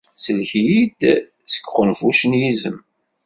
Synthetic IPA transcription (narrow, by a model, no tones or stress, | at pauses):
səlçjid̪ | sə̥kːχənfuʃənjizəm